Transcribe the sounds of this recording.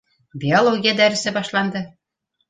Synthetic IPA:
bʲiolˠoɡʲijɑd̪æɾɘ̆sɘ̆bɑʃlˠɑnd̪ɤ̆

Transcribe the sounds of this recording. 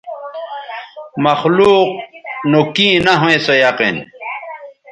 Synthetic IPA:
mɐxluːq̚nokĩːnɐɦoẽsojaqḭn

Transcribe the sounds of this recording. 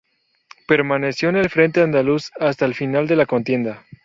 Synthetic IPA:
pe̞ɾmane̞sjo̞ene̞lfɾent̪eand̪alusast̪aelfinald̪e̞lako̞nt̪je̞nd̪a

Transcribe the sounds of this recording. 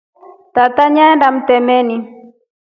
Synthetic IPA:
t̪at̪aɲandam̩tɛmɛni

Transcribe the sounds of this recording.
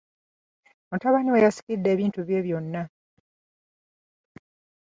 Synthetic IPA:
mutaβaniwejasi̥kidːe̞ːβiːntuβje̞ːβjo̞nːa

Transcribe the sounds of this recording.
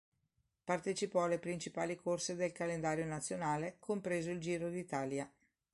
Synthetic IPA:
part̪et͡ʃipɔalːepɾint͡ʃipaːlikʰorsed̪elkalend̪aːɾjonat̪sːjonaːlekʰompɾeːzoild͡ʒiːɾod̪it̪aːlja

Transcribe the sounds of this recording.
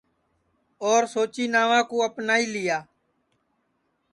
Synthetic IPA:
oːɾsoːt͡ʃiːnaːʋãːkoːəpnaːiːlɪjaː

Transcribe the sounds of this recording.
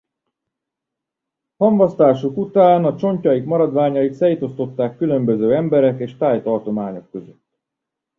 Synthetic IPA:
hɒɱvɒst̪aːʃukut̪aːnɒt͡ʃo̞ɲcɒjikmɒɾɒd̪ʋaːɲɒit̪sɛjt̪o̞st̪o̞t̪ːaːkːylø̞mbø̞zøːɛmbɛɾɛkeːʃt̪aːjt̪ɒrt̪o̞maːɲo̞kːø̞zøt̪ː

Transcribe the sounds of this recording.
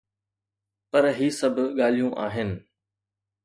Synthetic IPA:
pɐɾɦiːsɐbʱʊɠaːl̤ijũʔa̰ːɦɪnɪ̆

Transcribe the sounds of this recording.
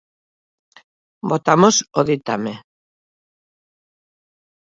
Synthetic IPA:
bot̪amosoðit̪ame

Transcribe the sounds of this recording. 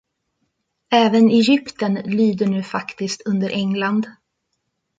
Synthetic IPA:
ɛːvənɛjʏpt̪ənlyːd̪əɳʉ̟ːfakt̪ɪskt̪ɵnd̪əɾʔɛŋland̪

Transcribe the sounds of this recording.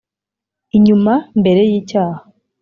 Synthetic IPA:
iɲumambe̞ɾe̞jiːcaːha

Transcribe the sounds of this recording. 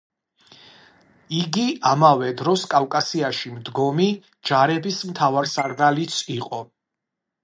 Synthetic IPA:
iɡiamavɛd̪ɾɔskʼawkʼasiaʃimd̪ɡɔmi | d͡ʒaɾɛbismt̪ʰavaɾsaɾɡalit̪sʰiqʼɔ

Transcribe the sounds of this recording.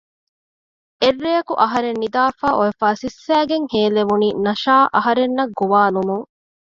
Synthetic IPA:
erːejɐkuʔɐɦɐɾenːid̪aːfaːʔoefaːsisːæːɡeŋheːleʋuniːnɐʃaːʔɐɦɐɾenːɐɡuʋaːlumuŋ

